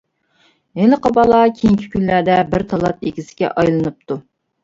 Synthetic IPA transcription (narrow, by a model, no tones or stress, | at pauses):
ɦeləqəbɑlˠɑkʲʰeŋkʲʰi̥kʲʰynlæɾd̪ɛbɪɾt̪ʰɑlˠɑt̪ekʲisɪ̥ɡʲɛ̰ʔɑjlˠɨnɨp̚t̪ʰu